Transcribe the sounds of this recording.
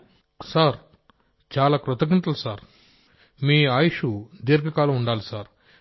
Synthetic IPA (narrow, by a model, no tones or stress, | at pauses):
saːɾ | t͡ʃaːlaːkɾut̪ɐɡint̪ɐlusaːɾ | miːaːjiʂud̪iɾɡɐkaːluuɳɖaːlisaːɾ